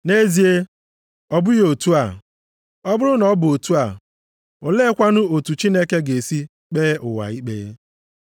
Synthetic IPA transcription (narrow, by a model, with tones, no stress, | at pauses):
ne˦zi˨e˦ | ɔ˦bʊ˦jo˨tu˦a˨ | ɔ˦bʊ˦ɾʊ˦nɔ˨˦bʊ˨o˨tu˦a˨ | ʊ˨le˦kʷa˦nʊ˦o˨tu˨t͡ʃi˦ne˦ke˦ɡe˨si˦ | k͡peː˦ʔʊ˨wa̰˨i˦k͡pḛ˦